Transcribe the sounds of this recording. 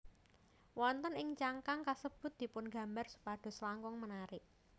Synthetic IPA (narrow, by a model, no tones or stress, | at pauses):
wɔnt̪ənɪŋt͡ʃaŋkaŋkasəb̥ʊ̤t̪̚d̪̥i̤pʊnɡa̤mbarsu̥paɖ̪̥ɔ̤slaŋkɔŋmənaɾɪʔ